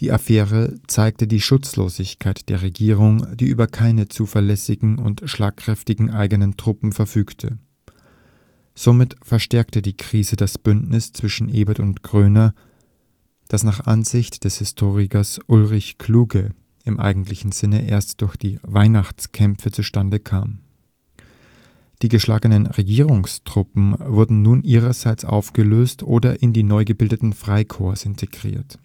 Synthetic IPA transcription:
d̥iːʔafɛːʁət͡saɪk̚tədiːʃʊt͡slo̰ːzɪçkʰaɪtd̥eːɐʁeɡiːʁʊŋd̥iːʔyːbɐkʰaɪnət͡suːfɛɐlɛsɪɡŋ̩ʊ̰ntʃlaːkʁ̥ɛftɪɡŋ̩ʔaɪɡənəntʁ̥ʊpm̩fɛɐfyːktʰə̰ | z̥omɪtfɛɐʃtɛɐk̚tədiːkʁ̥iːzədasb̥ʏntnɪst͡sv̥ɪʃn̩ʔeːbɐtʊntɡ̥ʁ̥øːnɐ | d̥asnaːχʔa̰nzɪçtd̥ɛshɪstʰoːʁɪkɐsʔʊlʁɪçkʰl̥uːɡə | ɪmʔa̰ɪɡŋ̩tlɪçn̩z̥ɪnəʔḛːɐstd̥ʊɐçd̥iːvaɪnaχt͡skʰɛmfət͡suʃtandəkʰa̰ːm | d̥iːɡəʃlaːɡənənʁeɡiːʁʊŋstʁ̥ʊpm̩vʊɐdn̩nuːnʔiːʁɐzaɪt͡sʔa̰ʊfɡ̥əløːstʰʔoːdɐʔɪndiːnɔʏɡəbɪldətn̩fʁ̥aɪkʰoːɐsɪntʰeɡ̥ʁḭːɐt

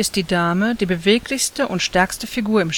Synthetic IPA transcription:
ɪst̚d̥iːdaːməd̥iːbəveːklɪçstəʔʊntʃtɛɐkstəfiɡuːɐɪm

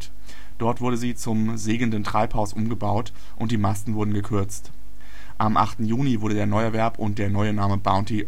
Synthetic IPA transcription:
d̥ɔɐtv̥ʊɐɾəziːt͡sʊm | zeːɡəndən̩tʁ̥aɪphaʊsʔʊmɡəbaʊt | ʔʊnt̚d̥iːmastn̩vʊɐdn̩ɡəkʰʏɐt͡st | ʔamʔa̰χtn̩juːnivʊɐɾədeːɐnɔʏɛɐvɛɐpʊnt̚d̥eːɐnɔʏənaːməbaʊ̃nti

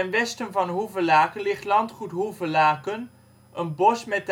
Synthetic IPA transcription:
ɛnʋɛstənvɑnɦuvəlaːkənlɪχtlɑntχutɦuvəlaːkən | ʔənbɔsmɛt

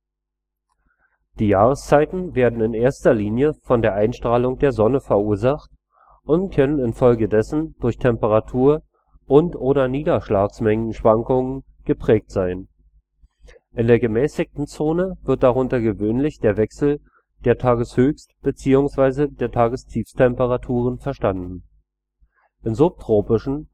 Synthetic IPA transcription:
d̥iːjaːʁ̞əst͡saɪtn̩veːɐdn̩ɪneːɐstɐliːnjəfɔndeːɐʔaɪnʃtʁ̥aːlʊŋd̥eːɐzɔnəfɛɐuːɐzaχt | ʔʊntkʰœnənɪnfɔlɡədɛsn̩d̥ʊɐçtʰɛmpəʁatʰuːɐ | ʔʊntʔoːɾɐniːdɐʃlaːksmɛŋən̩ʃv̥aŋkʊŋən | ɡ̥əpʁ̥ɛːk̚tz̥aɪn | ʔɪndeːɐɡəmɛːsɪk̚tn̩t͡soːnəvɪɐt̚d̥aʁ̞ʊntɐɡəvøːnlɪçd̥eːɐvɛksl̩ | d̥eːɐtʰaːɡəshøːçstb̥ət͡siːʊŋsv̥aɪzədeːɐtʰaːɡəstʰiːfstʰɛmpəʁatʰuːʁənfɛɐʃtandn̩ | ʔɪnzʊp̚tʁ̥oːpɪʃn̩

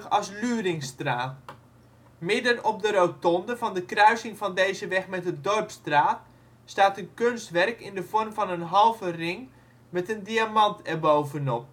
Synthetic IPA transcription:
ɑslyːrɪŋstraːt | mɪdənɔp̚dəɾowtɔndəvɑndəkrœɥsɪŋvɑndejzəʋɛxmɛtdədɔrpstraːt | staːtənkønstʋɛrkɪndəv̥ɔrmvɑnənɦɑlˠvərɪŋ | mɛtəndiamɑntɛrbowvənɔp̚

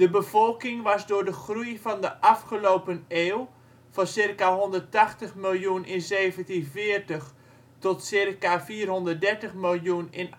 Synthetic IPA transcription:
d̥əbəvɔlˠkɪŋʋɑsdʊːɹdəχrujvɑndəʔafχəlowpəneːlˠ | fɑnsɪrkaɦɔndərtaxtəχmɪlˠjunɪnzeːvəntinfɪərtəx | tɔtsɪrkafiːrɦɔndərt̚dɛrtəχmɪlˠjunɪn

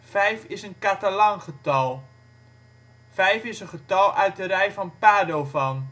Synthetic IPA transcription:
fɛjfɪsənkatalɔŋχətɑlˠ | fɛjfɪsənχətɑlˠʔœɥt̚dəɾɛjfɔnpaːdowvɔn

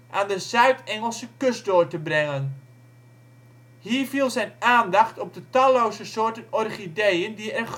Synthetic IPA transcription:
ʔaːndəzœɥtɛŋəlˠsəkøsdoːɹtəbrɛŋən | hiːɹvilˠzɛjnaːndɑχtɔp̚dətɑlowzəsoːɹtənɔrχidejəndiɛr

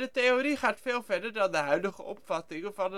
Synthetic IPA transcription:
dəteoɾiχaːtfeːlˠvɛɹdəɹdɑndəɦœɥdəχə̰ʔɔpfɑtɪŋəvɑnə

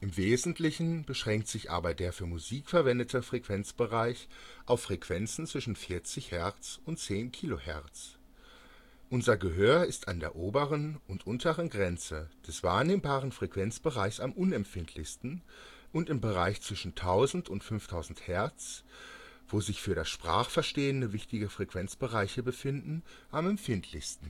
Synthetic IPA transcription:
ʔɪmveːzn̩tʰlɪçn̩bəʃʁ̥ɛŋk̚tz̥ɪçʔa̰ːbɐdeːɐfyːɐmuziːkfɛɐvɛndətʰəfʁ̥ɛkv̥ɛnt͡sb̥əʁaɪçʔaʊfʁ̥ɛkv̥ɛnt͡sn̩t͡sv̥ɪʃn̩fɪɐt͡sɪçhɛɐt͡sʊntt͡seːnkʰiːlohɛɐt͡s | ʔʊnzɐɡəɦøːɐɪstandḛːɐʔoːbəʁənʊntʔʊntʰəʁənɡʁɛnt͡səd̥ɛsv̥aːɐneːmbaːʁ̞ənfʁ̥ɛkv̥ɛnt͡sb̥əʁaɪçsamʔʊnɛmfɪntʰlɪçstn̩ʔʊntɪmbəʁaɪçt͡sv̥ɪʃn̩tʰaʊzn̩tʊntfʏnftʰaʊzn̩thɛɐt͡s | v̥oːzɪçfyːɐɾasʃpʁ̥a̰ːχfɛɐʃteːəndəvɪçtɪɡəfʁ̥ɛkv̥ɛnt͡sb̥əʁaɪçəbəfɪndn̩ʔamɛmfɪntʰlɪçstn̩

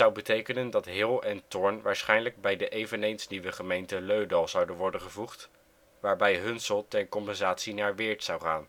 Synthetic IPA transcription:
ɑwbətejkənəndɑtɦɪlˠɛntɔɹnʋaːɹsχɛjnləɡ̚bɛjdəʔejvənejnsniʋəχəmejntəløɥdɑlˠz̥ɑwdənʋɔɹdəχəvuχt | ʋaːɹbɛjɦɵnsɔlˠtɛɹkɔmpɛnzaːtsinaːɹʋɪːɹtsɑwχaːn

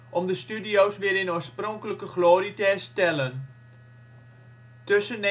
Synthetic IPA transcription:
ʔɔmdəstydiowsʋɪːɾɪnoːsprɔŋkələkəχloːritəɛɹstɛlən | tøsən

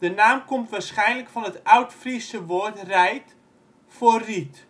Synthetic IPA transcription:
dənaːmkomtʋaːrsχɛjnləkfɑnətœwtfrisəʋoətrɛjt | forit

